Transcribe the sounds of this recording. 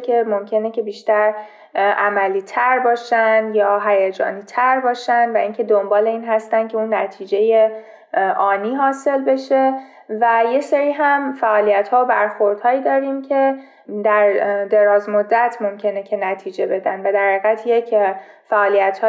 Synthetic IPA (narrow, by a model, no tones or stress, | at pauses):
kʲʰe̞momcʰe̞necʰe̞biːʃt̪æɾ | ʔæmæliːt̪ʰæɾbɒːʃænd̪jɒːɦæjed͡ʒɒ̰ːniːt̪ʰæɾbɒːʃænd̪væʔiːŋcʰe̞d̪ombɒːle̞iːnɦæst̪ænd̪kcʰe̞unːæt̪ʰiːd͡ʒe̞je | ʔɒːniːɦɒːse̞lbe̞ʃe̞ | væje̞seɾiːɦæmfæʔɒːlijæt̪hɒːobæɾxo̞ɾd̪̥hɒːjiːd̪ɒːɾiːmcʰe̞ | d̪æɾd̪e̞ɾɒːzmod̪ːæt̪ʰmo̞mcʰe̞necʰe̞næt̪ʰiːd͡ʒe̞be̞d̪ænd̪væd̪æɾeɣæt̪ʰjecʰfæʔɒːlijæt̪hɒː